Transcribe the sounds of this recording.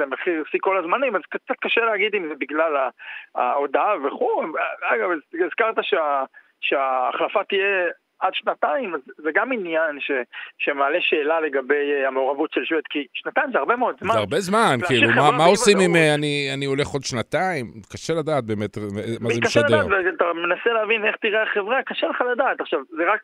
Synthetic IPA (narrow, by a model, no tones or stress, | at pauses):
zemeχiʁisiko̞lazmanimazkt͡sat̪̚kaʃeleaɡid̪imzebiɡlalaa̰od̪aveχuaɡavazizkaʁt̪aʃea | ʃeaːχlafat̪ije | ad̪ʃnataimazzeɡaminjanʃeʃemaːleʃe̞ːlale̞ɡabejameoʁavutʃelʃvet̪kiʃnat̪aimzeaʁbemeod̪zmaaʁbezmankilumamaossimimeanianio̞le̞χo̞d̪ʃnat̪aimkaʃelad̪aːt̪̚be̞met̪mazekaʃaladdeʁveat̪amenaseleavine̞χt̪iʁeaχevʁakaʃeleχalad̪aːt̪aχʃavzeʁak